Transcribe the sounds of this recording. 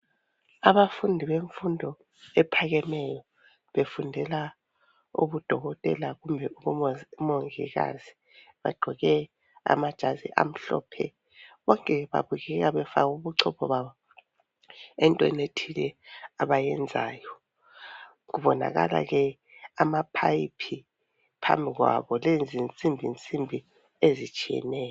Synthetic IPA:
aβafundʱiβeɱfundʱɔ | ɛpʰaɣɛmɛjɔ | βefundʱɛla | ṵβud̥ʱɔɣɔtʼɛlaɣumbʱɛuβumoŋḭɣa̰zi | βa̰ɡ͡ǃʱɔɣɛ | a̰mad̥ʒ̥ʱazḭʔa̰m̩ɬɔ̰ːpʰɛ̰ | βɔŋkʼɛβa̰βuɣɛɣaβɛfaɣuβuǀʰɔpʰɔβaβɔ | ɛntʼɔɛnetʰilɛaβajɛnd͡zʱaːjɔ | ɣuβɔna̰ɣa̰la̰ɣɛ | amapʰajipʰi | pʰa̰mbʱiɣwa̰βɔlend͡zʱint͡sʼimbʱint͡sʼimbʱi | ezit͡ʃʼijɛ̰nɛːjɔ

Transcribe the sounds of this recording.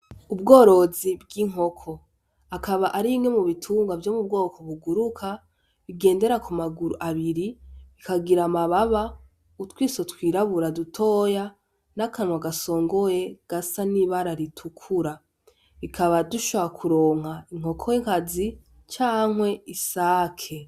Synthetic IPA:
ubɡo̞ːɾo̞zibɡiŋ̥ɦo̞kʰo̞ | akaβaʔaɾiŋemuβitʰuːŋɡwavjo̞mub̚ɡo̞ːkʰo̞βuɡuɾukʰa | βiɡe̞ːnde̞ɾakumaɡuɾuʔaβiɾiikaɡiɾamaβaβa | utwiːsotwiːɾaβuɾadutʰo̞ːja | nakawaɡaso̞ːŋɡo̞je̞ɡ̥asaniβaɾaɾitʰukʰuɾa | βikʰaβaduʃoβakʰuɾo̞ːŋ̥aiŋ̥o̞kʰoeŋkazi | t͡ʃaːŋwe̞isaːkʰe̞

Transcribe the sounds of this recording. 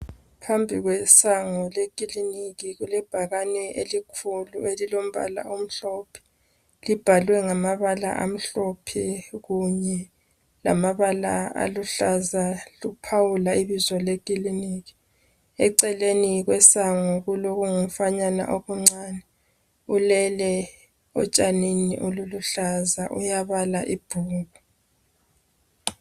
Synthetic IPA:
pʰambʱiɣwɛsaŋɔlekʼiliniɣiɣulɛb̥ʱaɣanɛʔelikʰulṵelilom̩βa̰la̰ʔum̩ɬɔpʰi̥ | lib̥ʱalwɛŋamaβala̰ʔa̰m̩ɬɔpʰiɣuɲɛ | la̰maβala̰a̰luɬazalupʰawulaiβizɔlekʼiliniːɣi̥ | ɛǀɛleniɣwɛsaŋɔɣuloɣuŋum̩faɲana̰ʔoɣuŋ͡ǀaːnɛ | ulɛlɛ | ɔ̰t͡ʃʼaninḭʔoluluɬazaʔṵjaβalaʔib̥ʱuːɣu

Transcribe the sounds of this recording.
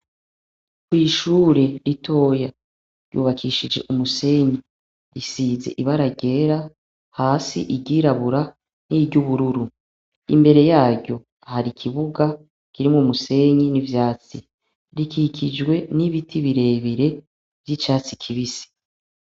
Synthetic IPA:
kwiːʃuːɾe̞ɾitʰo̞ːja | ɾjṵːβakʰiʃid͡ʒe̞ʔumuse̞ɲi | ɾisiːze̞̰ʔiβaɾaɟe̞ːɾa | haːsḭʔiɟiːɾaβuɾa | niɟuβuɾuɾu | ḭmbe̞ɾe̞jaːɟo̞ | ahaɾikʰiβuɡa | kiɾimŋomuse̞ɲinivjaːt͡si | ɾikʰikʰid͡ʒɡwe̞niβitʰiβiɾe̞ːβiɾe̞ | vjit͡ʃaːt͡sikʰiβisi̥

